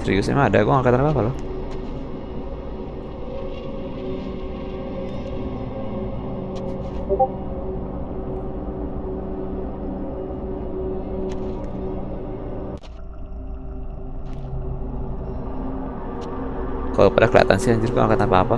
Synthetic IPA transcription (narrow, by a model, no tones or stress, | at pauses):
sɾḭusnḭmaːdakɔŋakat̪anpapalɔ | kalopadakəla̰a̰t̪a̰nsiaɲd͡ʒurkɔ̰ŋa̰kat̪anpapa